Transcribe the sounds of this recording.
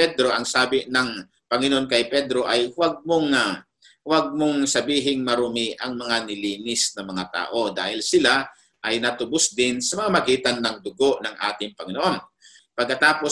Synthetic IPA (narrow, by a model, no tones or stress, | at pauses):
ɛd̪ɾo̞ʔɐŋsaːbɪnɐŋ | pɐŋɪnoʔonkɐjpɛd̪ɾo̞ʔɐjwaɡ̚moŋa | waɡ̚moŋsɐbiːɦɪŋmɐɾʊmɪʔɐŋmɐŋanɪliːnɪsnɐmɐŋat̪a̰ːʔo̞d̪a̰ːhɪlsɪla | ʔɐjnɐt̪ʊbʊsd̪ɪnsɐmɐŋamɐɡiːt̪ɐnːɐŋd̪ʊɡo̞ʔnɐŋʔa̰ːt̪ɪŋpɐŋɪnoʔon | pɐɡ̚kːɐt̪aːpo